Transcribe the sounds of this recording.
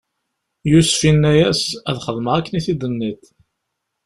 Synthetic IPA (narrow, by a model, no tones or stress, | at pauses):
jusfinːæjæsæðχəðˤməʁækːəniθid̪ənːit̪